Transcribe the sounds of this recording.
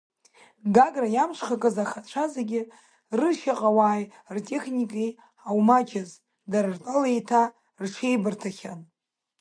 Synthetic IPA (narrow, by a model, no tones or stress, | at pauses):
ɡaɡrajamʂʷʰχakʼɨzaχat͡ɕʷʰazeɡʲɪ | rɨʃaqʼawaːj | rtʼe̞χnʲikʼi | awmad͡ʒaz | daɾrtʼalejtʰa | rʈ͡ʂʰe̞jbɨrtʰaχʲan